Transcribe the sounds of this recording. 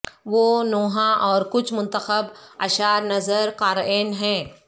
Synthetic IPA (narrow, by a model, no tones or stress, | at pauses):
ʋoːnoːɦãʔɔːɾkʊt͡ʃʰmʊ̃nt̪əxəbɐʃaːɾnɐzəɾkaːɾeːnɦɛ̃ː